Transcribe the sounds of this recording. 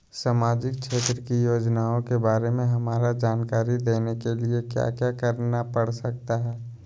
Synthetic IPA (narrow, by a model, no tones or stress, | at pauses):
saːmaːd͡ʒɪkʃeːt̪ɾəkijoːd͡ʒnaõkebaːɾemẽɦɐmaːɾad͡ʒaːnkaːɾid̪eːnekeliekja̰kjakəɾnapəɽsək̚t̪aɦɛː